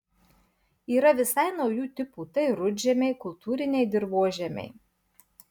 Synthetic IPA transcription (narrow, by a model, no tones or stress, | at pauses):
iːɾɐʋʲɪsɐɪnɒʊjuːt̪ʲɪpuːt̪ɐɪɾʊd͡ʒʲɛmʲɛɪkʊlˠt̪uːɾʲɪnʲɛɪd̪ʲɪɾʋoɔʒʲɛmʲɛ̰ɪ